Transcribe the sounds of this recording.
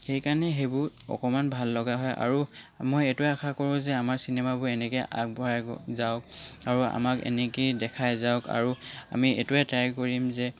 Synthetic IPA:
xejkanɛɦejbʊɹɔ̰kɔmanbʱalːɔɡaɦɔjʔa̰ɹumojɛtuɛaxʰakɔɹʊ̃zɛamaɹsinɛmabʊɛnɛkeʔa̰k̚bɔɹaj̰zaʊkaɹua̰makɛ̰nɛkidɛkʰajzaʊka̰ɹua̰miɛ̰tuɛtɹajkoɹimzɛ

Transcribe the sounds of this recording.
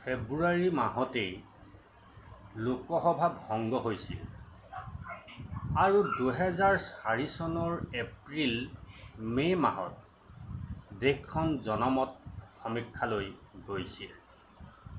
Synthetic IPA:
pʰebɹuaɹimaɦɔtej | lokɔxɔbʱabʱɔŋɡɔɦojsḭl | aɹuduɦɛzaɹsaɹisɔnɔɹepɹil | mema̰ɦɔ̰t̚ | dekkʰːɔnzɔnɔmɔt̚xɔmikʰːalojɡojsḭl

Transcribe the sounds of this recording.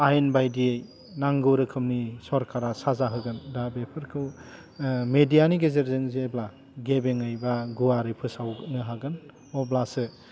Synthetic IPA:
ajenbajdiej | naŋɡɯwɾɯkʰɯmnisɔɾkʰaɾasazaɦɯɡɯndabepʰɯɾkʰɯw | medijaniɡezeɾzɯŋzeebla | ɡebeŋɯjbaɡuaɾɯjpʰɯsawnɯɦaɡɯn | ɔblasɯ

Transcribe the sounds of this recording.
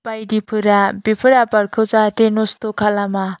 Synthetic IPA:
pajdipʰɯɾabepʰɯɾapaɾkʰɯwzatenostokʰalama

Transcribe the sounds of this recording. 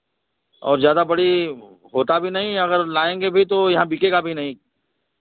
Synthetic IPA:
ɔ̰ːɾzjaːd̪abɐɽi | ɦoːt̪abʱinɐɦĩɐɡəɾlaːẽːŋɡebʱit̪ojɐɦãbiːkekabʱinɐɦĩ

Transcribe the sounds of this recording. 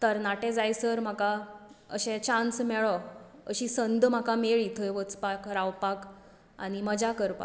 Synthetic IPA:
t̪əɾnaʈẽd͡zajsəɾm̤aka | əɕɛ̃t͡ɕãnsmɛɭɔəɕisənd̪ʱm̤akameɭit̪ʰəjʋət͡spakɾaʋpak | a̰ɽ̃iməd͡ʑakəɾpa̰

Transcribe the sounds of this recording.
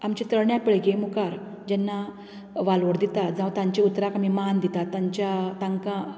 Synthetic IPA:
amt͡ɕit̪əɽɳjapiɭɡemukaɾ | d͡ʑɛnːa | ʋalʋəɽd̪it̪at̪d͡zãwt̪ãɲt͡ɕeut̪ɾakamimaɦand̪it̪at̪ːaɲt͡ɕjat̪ãŋkã

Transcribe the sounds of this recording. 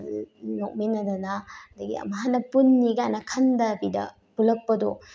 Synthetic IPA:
nok̚minɐdɐnadaɡḭɐ̰maɦanɐpunːiɡajnɐkʰɐndɐbidɐ̰ | pulɐk̚pɐdo

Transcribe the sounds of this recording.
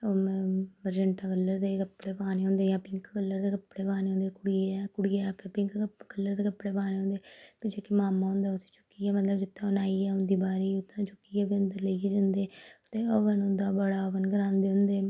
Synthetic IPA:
omːʋəɾd͡ʒəɳʈãːkəlːəɾd̪eːkəpːɽeːpaːneːɦõːnd̪eːjãːpɪŋkkəlːəɾd̪eːkəpːɽeːpaːneːõːnd̪eːkʊɽieːɛːkʊɽɪjɛpepɪ̃ŋkkəlːəɾd̪eːkəpːɽeːpaːneːɦõnd̪eːpɪd͡ʒeːkimaːmãːɦõːnd̪aːʊt̪ʰːe̥ːt͡ʃʊ̥kːiːɛːmət̪ləbd͡ʒɪt̪ːãːənaːiːɛːʊ̃nd̪iːbaːɾiːʊt̪ʰːãːt͡ʃʊkːiːɛːbiənd̪əɾləikiːd͡ʒənd̪eːt̪eːəʋənʊ̃nd̪aːbəɽaːəʋənɡəɾãːnd̪eːɦʊ̃nd̪eː

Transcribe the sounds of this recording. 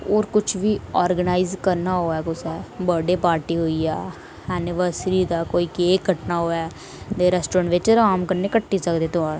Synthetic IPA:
oːɾkʊt͡ʃʰʋiːɔːɾɡənaːɪzkəɾnaːɦoːɛːkʊsɛːbəɖeːpaːɾʈiːɦoːiːɛː | ɛːnɪʋəɾsɾiːd̪aːkoːiːkeːkːəʈnaːɦoːɛː | d̪eːɾɛːsʈoːɾəɳʈʋɪt͡ʃɾaːmkəɾneːkəʈːiːsəkd̪eːt̪ʊãː

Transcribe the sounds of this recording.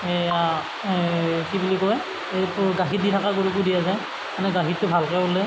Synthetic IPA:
ea | kibulikɔj | epɡaɦiditʰakaɡuɹuk̬udiazaj | manɛɡaɦitːʊbʱalkɛolɛ

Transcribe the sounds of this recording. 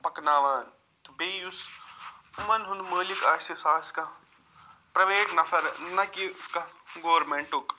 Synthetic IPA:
bʱɐknaːʋaːn | t̪ubeːjus | umɐnɦund̪məːlikaːsisaːskɐ | pɾɐʋeːʈnɐfʰɐɾnɐkiskɐɡoːɾmeɳʈuk

